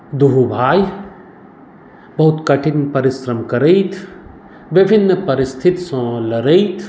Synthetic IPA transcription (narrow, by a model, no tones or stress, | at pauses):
d̪uɦubʱaːj | bɐɦʊt̪kɐʈɪnpɐɾɪsɾəmkɐɾejt̪ʰ | ʋɪbʱɪnːəpɐɾɪst̪ʰɪt̪sɐ̃lɐɾejt̪ʰ